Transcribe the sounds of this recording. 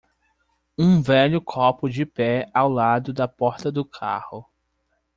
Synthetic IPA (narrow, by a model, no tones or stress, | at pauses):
ũvɛʎʊkʰɔpʊd͡ʒɪpɛawlad̪ʊd̪ɐpɔɾt̪ɐd̪ʊkʰa̰hʊ